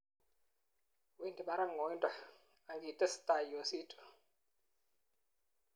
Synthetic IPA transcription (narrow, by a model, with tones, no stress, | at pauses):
wi˦ndʱi˨ɓa˦ɾa˦ŋɔ˨˦ntʼa˦ | a˨ŋɡi˨tʼɛ˦si̥tʼa˨i˨wo˨si˦tʼɔ̥˨